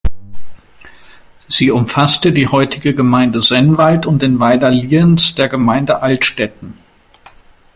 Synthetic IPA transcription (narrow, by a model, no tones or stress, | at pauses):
z̥iːʊmfastədiːhɔʏtʰɪɡəɡəmaɪndəzɛnvaltʊnt̚d̥eːnvaɪdɐliːənsd̥eːɐɡəmaɪndəʔaltʃtɛtn̩